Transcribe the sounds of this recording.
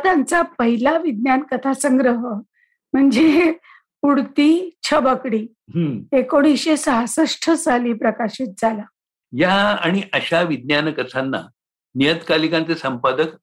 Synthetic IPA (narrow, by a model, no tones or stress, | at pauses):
t̪ant͡sapəɦilaʋid̪̚njankət̪ʰasə̃ŋɡɾəɦə | m̤əɳd͡ze | uɽt̪iːt͡ɕʰəbəkɽiː | ɦə̃ekoɽ̃iɕesəɦasəʂʈʰət͡saliːpɾəkaɕit̪̚d͡zʱala | jaaɽ̃iʔəɕaʋid̪̚njanəkət̪ʰanːa̰ | nijət̪kalikãnt͡sesəmpad̪ək